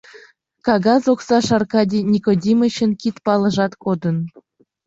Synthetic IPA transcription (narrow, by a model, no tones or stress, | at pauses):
kɑɣɑzoksɑʃɑrkɑdʲinʲikodʲimə̆ɕə̆nkʲit̪pɑlˠɤ̆ʒɑt̪kod̪ən